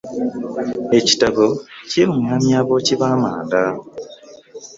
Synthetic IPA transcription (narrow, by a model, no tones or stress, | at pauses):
e̞ci̥takociɾuŋaːmjaːβo̞ciβaːmaːnda